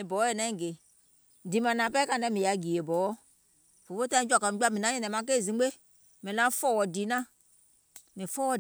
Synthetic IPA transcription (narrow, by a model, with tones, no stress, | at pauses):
ĩ˨bɔ˨˦jɛ˦˨nɛ̃˦˨ɡe˨ | di˨mã˨nã˨pɛ˦kã˦˨ɛ̃˦mĩ˨a˨ɡi˨e˨bɔ˨˦ɔ˦ | fo˨o˦tã˦ĩ˦d͡ʒa˨ka˨˦a˦mĩ˨nã˨˦ɛ̃˦˨nɛ̃˨mã˨˦k̬e˦˨zĩ˨˦ɡ͡be˦ | mĩ˨lã˦fɔ˦wɔ˨di˨nã˦ | nĩ˨fɔ˦wɔ˨